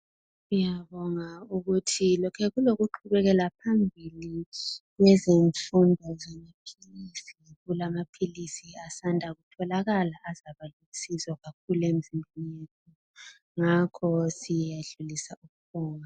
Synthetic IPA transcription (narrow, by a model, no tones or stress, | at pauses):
ujaβɔŋauɣutʰilɔkʰɛɣuloɣuǃʰuβɛɣɛlapʰambʱiliɣwɛzeɱfundʱɔzamapʰilisiɣulamapʰilisiasandʱaɣutʰɔlaɣalaʔːzaβaluisizɔɣakʰuluem̩zimbʱinjetʰu | ŋakʰɔsijaɮulisauɣuβɔːŋa